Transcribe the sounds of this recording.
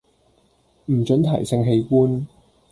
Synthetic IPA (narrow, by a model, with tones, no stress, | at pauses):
m̩˨˩t͡ʃɵ˨˥nt̪ʰɐ˨˩jsɪ˧ŋɦe˨˧jkuː˥n